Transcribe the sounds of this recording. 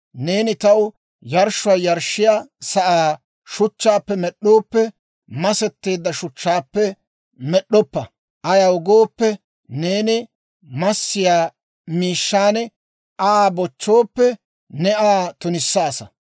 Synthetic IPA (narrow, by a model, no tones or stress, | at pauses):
neːnɪt̪ɐw | jɐɾʃʊwaːjɐɾʃːɪjaːsɐʔaː | ʃʊt͡ʃːaːpːɛmɛɗːo̞ːpːɛ | mɐsɛt̪ːe̞ːd̪ːɐʃʊt͡ʃːaːpːɛ | mɛɗːɔpːɐ | ʔɐjɐʊɡoːpːɛ | ne̞ːnɪ | mɐsːɪjaː | miːʃːaːnɛ | aːbɔt͡ʃːoːpːɛ | nɛaːt̪ʊnɪsːaːsɐ